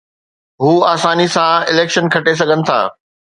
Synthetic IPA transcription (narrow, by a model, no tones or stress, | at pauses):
ɦuːaːsaːnisãɪleːkʃənkʰɐʈes̬ɐɠʱənɪ̆t̪ʰa̰ː